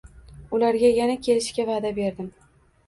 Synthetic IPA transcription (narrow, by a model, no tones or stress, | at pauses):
ʊlaɾɡʲajanakʲʰe̞lɪʃkʲavaːd̪abe̞ɾd̪ɪm